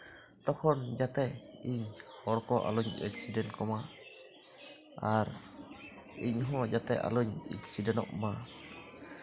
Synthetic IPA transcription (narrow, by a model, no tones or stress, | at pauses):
t̪ɔkʰɔnd͡ʒat̪ɛiɲhɔɾkɔʔa̰luɲɛ̰ksidɛnkɔma | aɾ | iɲɦɔd͡ʒat̪ɛ̰a̰luɲɛ̰ksidɛnɔ̰ʔma